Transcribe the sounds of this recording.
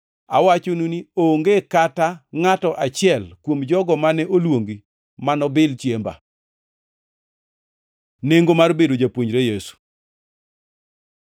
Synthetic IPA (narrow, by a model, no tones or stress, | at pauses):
a̰wat͡ʃonunioŋɡekataŋatɔʔat͡ʃɪɛlkwomd͡ʒɔɡɔmanɛʔolwoŋɡi | manɔbɪlt͡ʃjemba̰ | neŋɡomarbedod͡ʒapwoɲd͡ʒɾejesu̥